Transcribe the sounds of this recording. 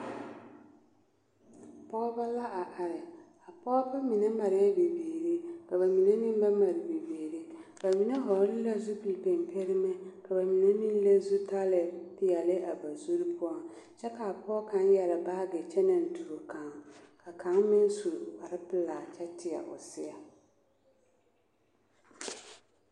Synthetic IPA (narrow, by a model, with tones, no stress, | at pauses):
pʰɔː˦ba˦la˦ʔa˨ʔa˨ɾɪ˨ | a˨pʰɔː˦ba˦mĩ˨nã˦mã˨ɾɪ˦ɛ˦be˨beː˨ɾe˦ka˨ba˨mĩ˨nã˦nɪ̃˦m˦ba˦ma˨ɾɪ˨be˨beː˨ɾe˦ba˨mĩ˨nã˦ɦɔ˨ɾlɪ˦la˦zu˦pi˨pɛ̃˨m˨pʰe˦ɾɪ˦mɛ̃˦kʰa˨ba˨mĩ˨nã˦nĩ˦n̩˦le˦zu˦tʰa˦lɛ˨dɪ˦ja˨lɪ˦ʔa˨ba˨su˦ɾi˦pʰʊ˦a˨ | t͡ʃʰɛ˦kʰa˨pʰɔ˦kʰã˨˦n˦jɛ˨lɪ˨baː˦ɡɛ˨t͡ɕʰɛ˦nã˨n̩˨tʰu˨ɾo˨kʰã˨ŋkʰa˨kʰã˨˦ŋ˦mɪ̃˦n˦su˨ɾwa˨ɾɪ˦pɪ˨laː˨t͡ʃʰɛ˦tʰɪ˨a̰˨ʔɔ̰˨sɪ˦a˨